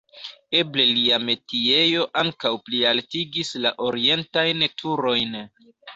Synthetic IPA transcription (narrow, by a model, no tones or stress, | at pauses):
e̞ble̞liame̞tie̞jo̞ʔaŋkawplialtiɡislaʔo̞ɾie̞ntajntʰuɾo̞jn